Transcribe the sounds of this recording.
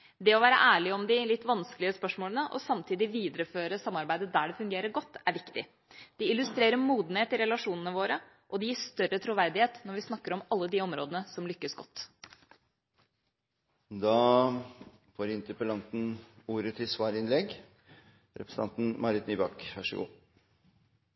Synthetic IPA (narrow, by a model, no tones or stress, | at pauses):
d̪ɛɔʋæːɾə̰ʔæːɭɪɔmd̪ɪlɪt̪ːʋɑnsklɪəspœʂmoːlənəʔɔ̰sɑmt̪ʰiːd̪ɪʋiːd̪ɾəføːɾəsɑmːɑɾbæɪd̪əd̪æːɖɛfʉŋɡeːɾəɾɡɔt̪ːæɾʋɪkt̪ɪ | d̪̥ɪɪlʉst̪ɾeːɾəmuːd̪n̩heːt̪ɪɾɛlɑʂuːnənəʋoːɾə | ʔɔd̪ɛjiːʂt̪œrːət̪ʰɾʊʋæɾd̪ɪheːt̪nɔɾʋɪsnɑkːəɾɔmɑlːəd̪iɔmɾoːd̪ənəsɔmlʏkːəsɡɔt̪ː | d̪ɑː | foːɾɪnt̪əpəlɑnt̪n̩uːɾət̪ʰɪlsʋɑːɾɪnlɛɡ | ɾɛpɾə̥sə̥ɑnt̪n̩mʔɑɾɪt̪nyːbɑkʋæʂəɡṵː